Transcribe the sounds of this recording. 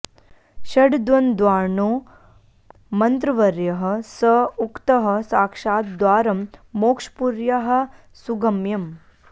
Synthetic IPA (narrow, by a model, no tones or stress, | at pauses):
ʃɐɖd̪ʋɐnd̪ʋaːɾɳoː | mɐnt̪ɾɐʋɐɾjɐɦɐ̆sɐukt̪ɐɦɐ̆saːkʂaːt̪̚d̪ʋaːɾɐmːoːkʂpuɾjɐɦɐ̆ | suɡɐmjɐm